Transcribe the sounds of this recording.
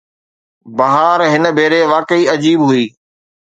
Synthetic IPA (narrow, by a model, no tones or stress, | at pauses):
bɐɦaːɾɦɪnə̆bʱeːɾeʋaːkəiɐd͡ʑiːbɦʊiː